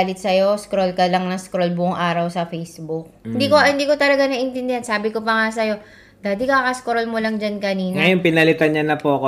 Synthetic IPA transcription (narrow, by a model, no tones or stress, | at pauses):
lɪt̪sɐjo̞skɾolkɐlɐŋnɐskɾolbʊʔʊŋʔaːɾɐwsɐfejsbʊk̚ɪnd̪iːkohɪnd̪iːko̞t̪ɐlɐɡanɐʔɪnt̪ɪnd̪ɪhansaːbɪkopɐŋasɐjo̞ | d̪aːd̪ɪkakɐskɾolmolɐŋd͡ʒankɐniːnŋɐjonpɪnɐlɪt̪anɲanɐpoʔɐko